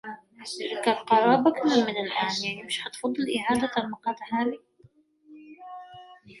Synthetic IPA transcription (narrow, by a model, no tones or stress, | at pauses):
kalqɑɾˤɑːbakanamɪnɪlʔaːnjaʕnimɪʃhat̪fɑd̪ˤːɨlʔɪʕaːd̪at̪almɑqɑːt̪haːlɪ